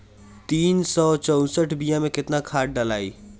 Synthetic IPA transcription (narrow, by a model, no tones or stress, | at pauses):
t̪iːnsɔːt͡ʃɔʊ̃səʈʰbijãmẽkɪt̪nakʰaːʈ̚ɖəlaːi